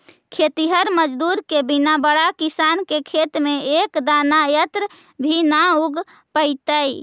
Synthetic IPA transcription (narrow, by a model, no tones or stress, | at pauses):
kʰet̪iɦəɾməd͡ʒd̪uɾkebinabəɽakisankekʰet̪meekd̪anajət̪ɾ | bʱinauɡ | pəjt̪əj